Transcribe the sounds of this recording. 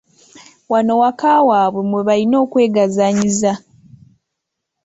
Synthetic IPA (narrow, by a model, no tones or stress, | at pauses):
wano̞wakaːwaːβwemweβalino̞ːkwe̞ːɡazaɲiza